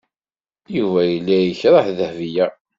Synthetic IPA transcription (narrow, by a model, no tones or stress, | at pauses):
juvæjəlːæjəçɾˤɑħðəhvijæ